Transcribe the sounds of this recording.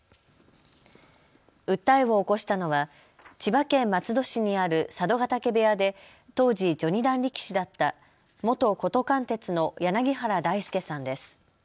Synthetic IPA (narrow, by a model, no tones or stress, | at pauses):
ɯ̟t̪ːaiβo̞ːko̞ɕi̥t̪ano̞βa | t͡ɕibakẽ̞mːat͡sɨd̪o̞ɕiɲ̟iaɾɯ̟sad̪o̞ɡat̪ake̞be̞ad̪e̞ | t̪o̞ːʑid͡ʑo̞ɲ̟id̪ãnɾʲikʲi̥ɕid̪at̪ːa | mo̞t̪o̞ko̞t̪o̞kãnt̪e̞t͡sɨno̞janaɡʲiɦaɾad̪aisɨ̥ke̞sãnd̪e̞sɨ̥